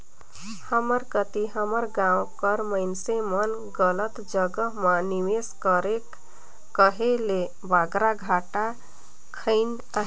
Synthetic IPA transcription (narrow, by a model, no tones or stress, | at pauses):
həməɾkət̪iɦəməɾɡãw̃kəɾməɪnsemən | ɡələt̪d͡ʒəɡəɦmaniweskəɾekː | əɦele | baɡɾaɡʱaʈa | kʰəɪn | aɦ